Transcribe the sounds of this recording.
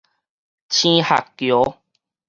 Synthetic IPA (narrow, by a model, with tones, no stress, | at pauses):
t͡ɕʰĩ˦ha̰˨kːjo˨˦